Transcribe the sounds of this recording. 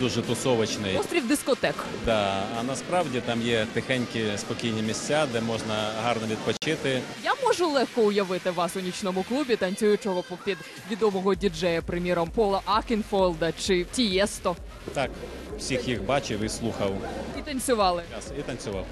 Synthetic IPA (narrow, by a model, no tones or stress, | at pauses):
d̪uʒɛt̪ʊsɔʋɪt͡ʃnɪjst̪ɾʲiwd̪ɪskɔt̪ɛkd̪ɑɐnɐspɾɑwdʲit̪ɑmjɛt̪ɪxɛnʲkʲɪspɔkʲijnʲimʲisʲt͡sʲad̪ɛmɔʒnɐɦɑrnɔʋʲid̪̚pɔt͡ʃɪt̪ɪjamɔʒʊlˠɛxkɔʊjɐʋɪt̪ɪʋɑsʊnʲit͡ʃnɔmʊklˠubʲit̪ɐnʲt͡sʲujʊt͡ʃɔɦɔpɔpt̪ʲid̪ | ʋʲid̪ɔmɔɦɔdʲid͡ʒɛjɐpɾɪmʲiɾɔmpɔlˠɐʔɑkʲɪnfɔlˠd̪ɐt͡ʃɪtʲijɛst̪ɔ | t̪ɑk | w̥sʲixjixbɑt͡ʃɪwɪslˠuxɐwit̪ɐnʲt͡sʲʊʋɑlˠɪɑsit̪ɐnʲt͡sʲʊʋɑw